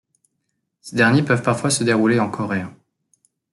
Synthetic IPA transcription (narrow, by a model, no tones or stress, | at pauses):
sed̪ɛʁnjepœvpaʁfwasəd̪eʁuleɑ̃kʰɔʁeã